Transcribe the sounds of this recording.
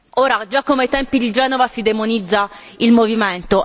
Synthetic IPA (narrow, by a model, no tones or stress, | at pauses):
oːɾad͡ʒakːomeajt̪ɛmpid̪id͡ʒɛːnovasid̪emonid̪zːailmoviment̪o